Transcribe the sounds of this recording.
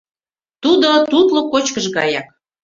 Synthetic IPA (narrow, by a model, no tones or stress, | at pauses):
t̪ud̪ot̪ut̪lokot͡ɕkəʒɣɑ̰jɑk̚